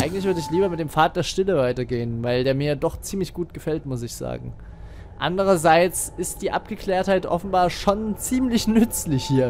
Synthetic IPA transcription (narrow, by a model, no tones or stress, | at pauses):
ʔaɪɡŋ̩tlɪçv̥ʏɐdəɪçliːbɐmɪtd̥eːmfaːt̚d̥eːɐʃtɪləvaɪtɐɡeːənvaɪldeːɐmiɐjadɔχt͡siːmlɪçɡ̥uːt̚ɡ̥əfɛltmʊsɪçz̥a̰ːɡŋ̩ | ʔa̰ndəʁ̞ɐzaɪt͡sɪstd̥iːʔa̰pɡ̥əkl̥ɛːɐthaɪtʔɔ̰fn̩baːɐʃont͡siːmlɪçnʏt͡slɪçhiːɐ